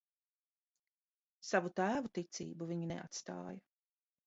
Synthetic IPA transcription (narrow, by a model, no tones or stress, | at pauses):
savut̪æːvut̪it̪sḭːbuviɲinɛ̰a̰t̪st̪a̰ːjɐ